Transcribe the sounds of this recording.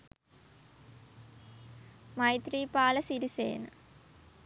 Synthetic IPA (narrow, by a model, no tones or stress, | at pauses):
mɐjt̪riːpaːlɐsiɾisḛːnɨ